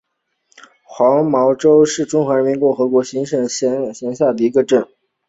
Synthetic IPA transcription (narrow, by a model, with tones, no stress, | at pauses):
xwɑ˧˥ŋmɑ˧˥ʊʈ͡ʂo˥ʊʂɻ̩˥˩ʈ͡ʂʊ˥ŋxwa˧˥ɻə˧˥mi˧˥nkʊ˥˩ŋxɤ˧˥kwɔ˧˥ɕi˧˥ŋʂə˥˧˥ɕɛ˧˥nɕja˥˩d̪ə˩i˧˥ɡə˧ʈ͡ʂə˥˩n